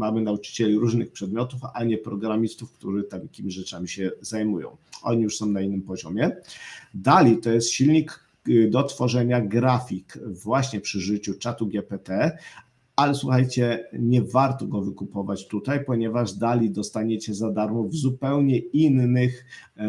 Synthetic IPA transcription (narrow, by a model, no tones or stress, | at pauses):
mamɘnaut͡ʂɘ̥t͡ɕɛlʲiɾuʐnɘxpʂɛd̪̚mʲjɔt̪ufa̰ɲɛpɾɔɡɾamʲist̪ufk̚t̪uʐɘt̪amjakʲimʲiʑʐɛt͡ʂamʲiɕɛzajmujɔ̰̃w̃ʔɔ̰ɲijuʂsɔ̃w̃nainːɘmpɔʑɔmʲjɛ | d̪alʲit̪ɔjɛst̪ɕilɲik | d̪ɔt̪fɔʐɛɲaɡɾafʲikvwaɕɲɛpʂɘʐɘt͡ɕut͡ʂat̪uɡʲjɛpɛt̪ɛ | alɛswuxajt͡ɕɛɲɛvaɾt̪ɔɡɔvɘkupɔvat͡ɕt̪ut̪ajpɔɲɛvaʐd̪alʲid̪ɔst̪aɲɛt͡ɕɛzad̪aɾmɔvzupɛwɲɛinːɘx